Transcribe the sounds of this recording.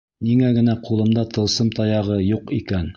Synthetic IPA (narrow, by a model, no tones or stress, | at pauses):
niŋæɡɘ̆næqulˠɤ̆md̪ɑt̪ɤ̆lˠsɤmt̪ɑjɑʁɤjuqikæn